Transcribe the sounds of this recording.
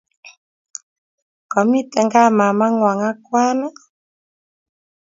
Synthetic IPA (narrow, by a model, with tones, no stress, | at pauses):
kɔ˨mi˦tɛ˨ŋɡa˦˨ma˨ma˦ŋwa˨ŋa˦kwa˦na˦